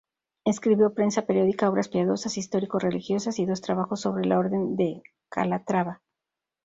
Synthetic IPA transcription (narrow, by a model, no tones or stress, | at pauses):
eskɾiβjo̞pɾe̞nsape̞ɾjo̞ðikao̞βɾaspjaðo̞sasist̪o̞ɾiko̞sre̞lixjo̞sasiðo̞st̪ɾaβaxo̞sːo̞βɾe̞lao̞ɾðe̞nd̪e̞ | ka̰lat̪ɾaβa